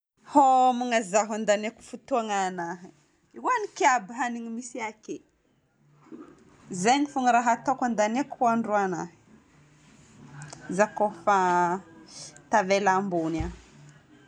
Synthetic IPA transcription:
homuŋazaɦand̪aneku̥fut̪uaŋanaɦi | iwanikabiɦaniŋimisiake | zaɲifuŋəɾaɦat̪okand̪anekuhuaɳɖ͡ʐuanaɦi̥ | zakofa | t̪avelambuna

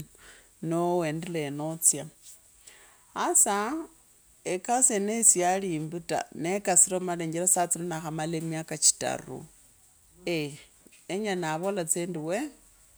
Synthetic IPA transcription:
nowendilenot͡sja | asa | ekasenesjaliːmbuta̰nekasiɾomaleɲɟelasat͡silonaxamalemjakat͡ʃi̥ta̰rṵ | e | eɲanaβolat͡sendiwe

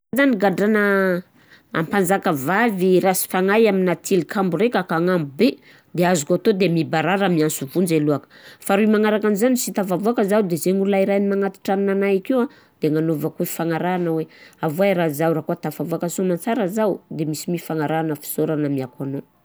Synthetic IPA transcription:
zaniɡaɖ͡ʐanə | a̰mpand͡zakəvaviɾasi̥faŋajaminat̪ʰilikʰamburekakaŋamube | d̪eazukat̪od̪emibaɾaɾamiansuvund͡ʒeluakə̥faɾuimaŋaɾakanzanisit̪avavuakəzawd̪ezeŋuɾlaiɾajnimaŋat̪i̥ʈ͡ʂannanaakiwa | d̪̥eŋanovakuefaŋaɾaanaweavuaɾazawɾakuat̪afavuakəsomant͡saɾəzawd̪emisimifaŋaɾanəfi̥soɾanəmiakano

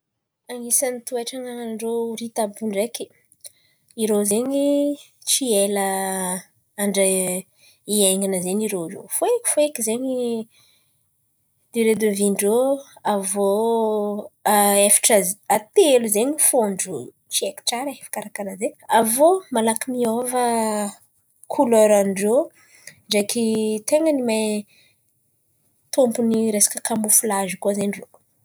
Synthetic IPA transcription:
aŋisanit̪uaʈ͡ʂaŋaŋanɳɖ͡ʐoɾit̪abuɳɖ͡ʐeki̥ | iɾozeɲi | t͡ʃielə | aɳɖ͡ʐə | iajŋanəzeɲiɾozo̰foeki̥foekizeɲi | d̪̥eɾed̪eviɳɖ͡ʐoavo | efḁʈ͡ʂaat̪eluzeɲifanɖ͡ʐo | t͡ʃiekʈ͡ʂaɾeefḁkaɾakanazeavomalakimiovə | kʰulɔɾaniɖ͡ʐo | ɳɖ͡ʐakit̪eŋənimaj | t̪umpuniɾesḁkəkambufulazikuazeniro

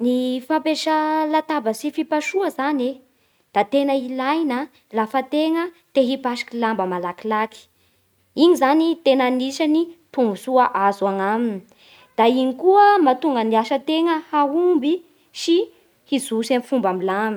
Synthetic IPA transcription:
nifampeʃalat̪abəsifipaʃuəzane | d̪̥at̪enəilajnə | lafət̪eŋə | t̪eɦipaʃi̥kilambəmalakilaki̥ | iɲizanit̪enaniʃanit̪umbusuaʔazuaŋamini | d̪̥aiɲikuəmat̪uŋɡəniaʃət̪eŋəhaumbi | ʃi | hizusenifumbamilam

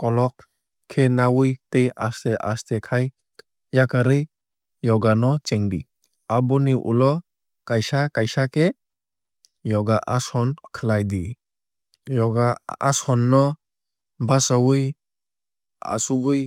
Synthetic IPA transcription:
kɔlɔk | kʰːenawɯjtejasteʔa̰stekʰaj | jakʰaɾɯj | jɔɡanɔt͡ʃɛŋdi | abɔniʔṵlɔ | kajsakajsakʰe | jɔɡaʔasɔnkʰɯlajdi | jɔɡaa̰sɔnːɔ | basawɯj | a̰subɯj

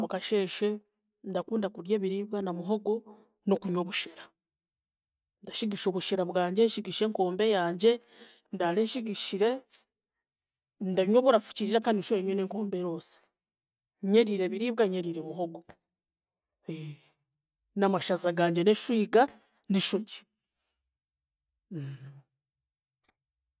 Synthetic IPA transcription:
mukaʃe̞ːʃe | ndakuːndakuɾjeːβiɾiːβɡanamuɦo̞ɡo | nokuɲo̞βuʃeɾa | ndaʃiɡiʃo̞ːβuʃeɾaβwaːɲɟe̞nʃiɡiʃiɾe̞ŋko̞ːmbe̞jaːɲɟe̞ | ndaleʃiɡiʃiɾe̞ | ndaɲoβuɾafu̥ciɾiɾakaniʃoeɲeneːŋko̞ːmbeɾosḁ | ɲeɾiɾe̞βiɾiːβɡaɲeɾiɾemuɦoɡo | e | namaʃazaɡaːɲɟe̞neʃwiːɡa | niʃuɟi̥

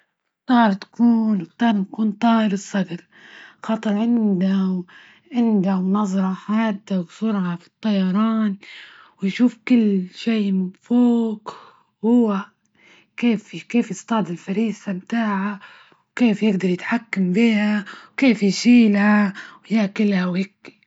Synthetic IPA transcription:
t̪ˤɑːɾˤt̪ḁkuːnwt̪ˤːɑːɾˤnakuːnt̪ˤɑːhɾɨsˤːɑd̪ɑɾ | xɑt̪ˤɨɾˤʕɪnd̪aw | ʕɪnd̪awnɑzˤɾˤɑħaːd̪awsʊɾʕɑfi̥t̪ˤːɑjɑɾˤɑːn | wjʃuːfkɪlːʃeːfoːk | hʊwa | keːfkeːfjɪst̪ɑʕd̪ɪlfaɾiːsamt̪aːʕa | wkeːfjɪɡd̪ɑɾˤjɪt̪ħakːambiːhawkeːfjʃiːlawjaːkɪlhawɪkː

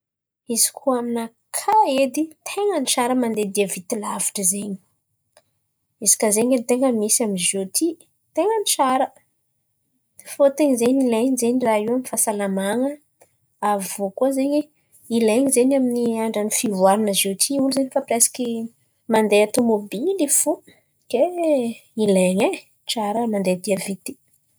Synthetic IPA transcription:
izi̥kʰuamina | kʰaed̪it̪ʰeŋəniʃaɾəmand̪ed̪iəvit̪ilaviʈ͡ʂəzeɲi̥ | izi̥kazeɲent̪eŋəmisaminzot̪ʰi | t̪eŋənit͡ʃaɾə | fot̪eŋzeɲileɲizeɲiraiwanifasalamaŋə | avvokuəzeɲi | ileŋizeɲaminiaɳɖ͡ʐanifivaɾanəzot̪ʰiuluzeɲifəpresi̥ki | mand̪eat̪omobilifu | ke | ileɲe | t͡ʃaɾəmand̪ed̪iavit̪i̥

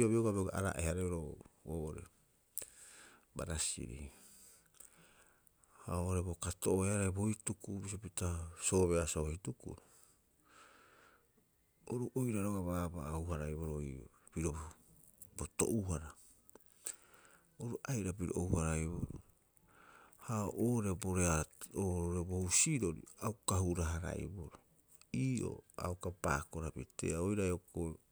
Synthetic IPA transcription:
oβioɡabioɡaʔaɾa̰ʔehaɾaoɾooːʔoɾḛ | ba̰ɾasḭɾḭ | ha̰oʔoɾe̞bokatoʔoehaɾajboitukubis̬opitaso̞ːβeasohitukṵɾo | oɾuʔojɾaɾoɡaβabauhaɾajβoɾoj̰ | piɾo | boto̰ʔuhaɾa | oɾuʔajɾapiɾo̰ʔouhaɾajboɾo̰ | haoʔoɾeboɾeaooɾebohusiɾo̞ɾḭawkahuɾaɦaɾa̰ḭboɾo | iːʔo̞̰a̰wkapakoɾapitḛaojɾajoko

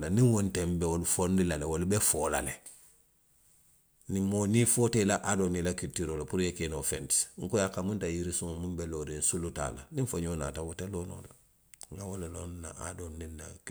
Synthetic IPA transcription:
lanĩŋwontembewolufondilalewolubefoːla̰le | nĩmːonifotelaʔadonilakitːiɾolapuɾjekenofɛ̃nti̥sŋ̩kojakamũntajiɾisuŋomũmbeloːɾĩnsuluta̰ːla̰nĩɱfoɲona̰ːtawoteloːno̰ːla | ŋɡawolelonna̰a̰donːĩnːa̰k

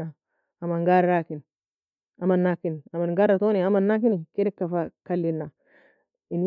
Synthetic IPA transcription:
a | ɐmɐnɡaɾaːkɪn | ɐmɐnːakɪnɐmɐnɡaɾːɐt̪oːniɐmɐnːak̬ɪnkɛdɛkːɐfakɐlːɪnːa | ɪn

